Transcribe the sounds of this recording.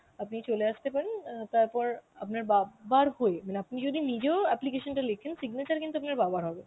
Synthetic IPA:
apnit͡ɕoleaʃt̪epaɾent̪aɾpɔɾapnaɾbabaɾhoemaneapnid͡ʑod̪ʱinid͡ʑeoɛplikeʃonʈalekʰensiɡnat͡ɕaɾkint̪uapnaɾbabaɾɦɔbe

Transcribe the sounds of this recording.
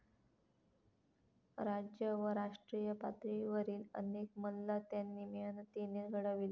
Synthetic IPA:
ɾad͡ʑjəʋəɾaʂʈɾijəpa̰t̪ɾiʋəɾiːlə̰nekməllat̪janːimiənt̪ineɾɡʱəɽaʋil

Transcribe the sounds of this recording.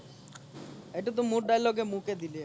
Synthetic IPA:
ejʈat̪̬omũɾɖajlɔɡemũked̪ili

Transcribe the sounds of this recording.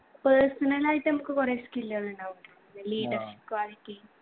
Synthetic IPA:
pəːrsɐnɐlaːjitːɨnɐmukːɨkoreːskilːɐluɳɖaːʋuʈoːnːɨliːɖɐrɕi̥p̚kwaːliʈːi

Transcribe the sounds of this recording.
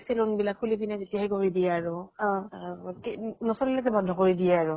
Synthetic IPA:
sɛlʊnbilakʰulipinɛzetijaɦɛkoɹidijɛːɹʊɔ̃knɔsɔlilakɛbɔdʱɔkoɹidijɛaɹʊ

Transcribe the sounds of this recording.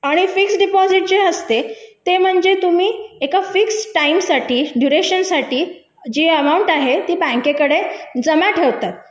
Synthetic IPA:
aɽ̃ifiksɖipɔziʈ̚d͡ʑeəst̪et̪em̤əɳd͡zet̪um̤iːekafiksʈaimsaʈiːɖjuɾeɕənsaʈiː | d͡ʑiəmauɳʈaɦet̪iːpãŋkekəɽed͡zəmaʈʰeʋt̪at̪̚

